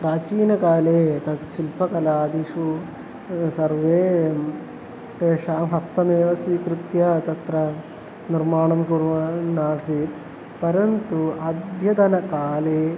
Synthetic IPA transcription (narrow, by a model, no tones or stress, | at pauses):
pɾaːt͡ʃiːnɐkaːleːt̪ɐt̪ʃilpɐkɐlaːd̪iʂu | sɐɾʋeː | t̪eːʃaːmɦɐst̪ɐmeːʋɐsiːkɾɪt̪jɐt̪ɐt̪ɾɐ | niɾmaːɳɐmkuɾʋɐnaːsiːt̪ | pɐɾɐnt̪uɐd̪ʱjɐd̪ɐnɐkaːleː